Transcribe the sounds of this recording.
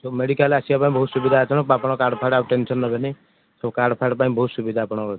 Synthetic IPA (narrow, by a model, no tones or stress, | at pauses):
tomeɽikalasijapaĩbɔɦut̪subid̪ʱaːt͡ʃɔnɔ̃apɔɽ̃ɔkaɾɖpʰajɽabʈensɔnːɔbene | sɔbkaɾɖpʰajɽpaĩbɔɦut̪subid̪ʱaːpɔɽ̃ɔkɔ